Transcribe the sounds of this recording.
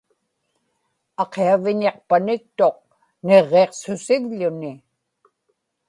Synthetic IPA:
ɑqeavɪɲeqpanɪk̚t̪o̞q̚ | ne̞ʁːeqsʊsɪɣʎʊnɪ

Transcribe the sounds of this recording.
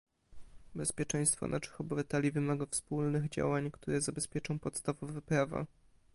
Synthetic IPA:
bɛspʲjɛt͡ʂɛj̃st̪fɔ̰nʔaʂɘ̥xɔbɛvat̪ɛlʲivɘmaɡafspulnɘɣd͡ʑa̰waɲkt̪uɾɛzabɛspʲjɛt͡ʂɔ̃w̃pɔt̪st̪avɔvɛpɾava̰

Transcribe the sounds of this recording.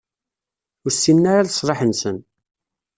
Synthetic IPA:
ʊɾsːinːaɾaðsˤɾˤɑħənsən

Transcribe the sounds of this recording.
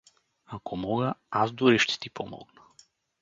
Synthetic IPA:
akɔmɔɡaazd̪uɾiʃt̪ɛ̥t̪ipʰɔmɔ̰ɡnḁ

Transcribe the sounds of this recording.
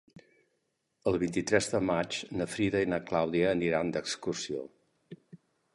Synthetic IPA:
əlˠβint̪it̪ɾɛzðəmat͡ʃnəfɾiðəinəklawðiəːniɾand̪əkskursio̰

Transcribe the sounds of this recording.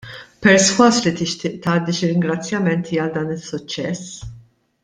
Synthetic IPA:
pɛɾswɐslit̪ɪʃt̪ɪːʔt̪ɐːd̪iʃɪɾɪŋɡɾɐt͡sːjɐmɛnt̪ʰiːɐld̪ɐːnɪsːʊt͡ʃːɛs

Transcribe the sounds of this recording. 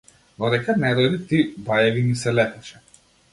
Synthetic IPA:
d̪ɔd̪ɛkanɛɾɔd̪it̪ibajɛvinisɛlɛp̪ɛʃɛ̥

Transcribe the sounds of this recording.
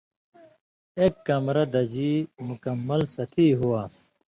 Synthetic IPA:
eːkːɐmɾɐd̪ɐd͡ʑimukɐmːɐlsɐt̪ʰiːɦuaːs

